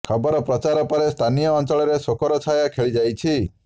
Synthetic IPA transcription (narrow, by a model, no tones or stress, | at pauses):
kʰəbɔɾɔpɾət͡ʃaɾɔpəɾest̪ʰanijɔɔnt͡ʃɔɭɔɾesokɔɾɔt͡ʃʰajakʰeɭid͡ʒajt͡ʃʰi